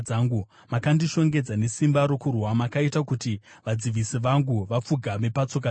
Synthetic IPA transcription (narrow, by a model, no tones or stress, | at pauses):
aːŋɡu | makandiʃo̞ŋɡe̞d͡zane̞simbaɾo̞kurwamakaitakuti | ʋad͡ziʋisiʋaŋɡuʋap͡fuɡʱame̞pat͡so̞ka